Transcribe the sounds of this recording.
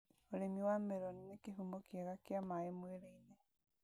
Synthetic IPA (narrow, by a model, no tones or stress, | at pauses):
oɾemiwameɾɔninekeɦumbokjaɣakjamaemweɾeine